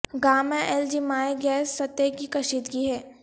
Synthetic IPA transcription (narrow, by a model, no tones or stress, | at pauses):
ɡaːmɛ̃ʔɛld͡ʒimaːeɡɛːsːɐt̪ːekikɐʃiːd̪ɡiɦɛː